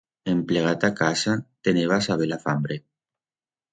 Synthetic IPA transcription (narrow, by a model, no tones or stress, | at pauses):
empleɣ̞at̪akasat̪eneβasaβelafambɾe